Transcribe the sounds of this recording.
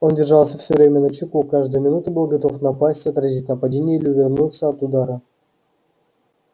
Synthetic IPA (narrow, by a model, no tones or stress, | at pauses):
ondʲɪrʐɑlˠsʲəfsʲovɾʲemʲənət͡ɕɪkukaʐd̪əjmʲɪnut̪ʊbɨlˠɡɐt̪ofnɐpasʲtʲɐt̪ɾrɐzʲitʲnəpɐdʲenʲɪjɪlʲɪvʲɪrnut̪səɐt̪ud̪aɾə